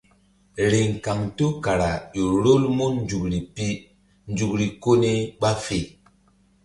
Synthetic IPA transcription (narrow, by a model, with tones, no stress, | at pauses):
ɾe˨ŋ˨ka˨ŋto˦ka˨ɾa˨jo˨ɾo˦lmo˦n˦d͡ʒu˨kɾi˨pi˦ | n˦d͡ʒu˨kɾi˨ko˦ne˦ɓa˦fe˨